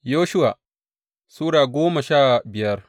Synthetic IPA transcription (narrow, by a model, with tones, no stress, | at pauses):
joː˦ʃʊ˦wa˨ | suː˦ɽaː˨ɡʷoː˦ma˨ʃaː˦˨bɪ˨jɐ˦r